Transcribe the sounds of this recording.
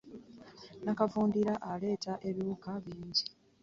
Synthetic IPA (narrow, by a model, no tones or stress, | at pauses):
nakavuːndiɾaʔale̞ːtaʔe̞βuukaβiːɲɟi